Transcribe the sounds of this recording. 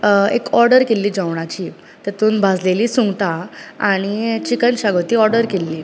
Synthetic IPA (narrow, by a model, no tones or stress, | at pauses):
ekɔɾɖəɾkelːiːd͡zawɳ̃at͡ɕiː | t̪at̪uːnbʱad͡zleliːsũŋɡʈ̪aaɽ̃it͡ɕikənɕaɡot̪iːɔɾɖəɾkelːiː